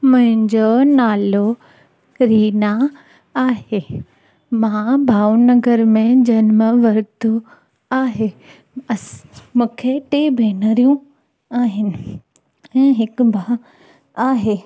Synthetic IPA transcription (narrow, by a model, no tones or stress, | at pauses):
mʊ̃ɦɪ̃ɲd͡ʑoːnaːlo | ɾiːna | aːɦeː | mãbʱaːʊnɐɡəɾmẽd͡ʑɐnməʋɐɾt̪o | aːɦeː | ɐsmũːkʰeʈeːbʱeːnəɾijũ | aːɦɪnɪ̆ | ɛ̃ːɦɪkʊbʱa | aːɦeː